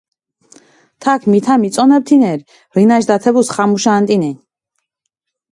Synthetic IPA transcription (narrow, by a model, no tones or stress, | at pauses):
t̪ʰakʰmit̪ʰamit̪sʼɔnɛp̚t̪ʰinɛɾ | ɾinaʃd̪at̪ʰɛbusχamuʃaːnt̪ʼinɛɲ